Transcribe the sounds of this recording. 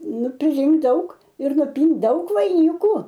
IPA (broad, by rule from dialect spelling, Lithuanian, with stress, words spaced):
ˈnʊ pʲrʲɪˈrʲɪŋkt ˈdɐʊk ɪr nʊˈpʲiːnt ˈdɐʊk ʋɐɪˈnʲɪkʊ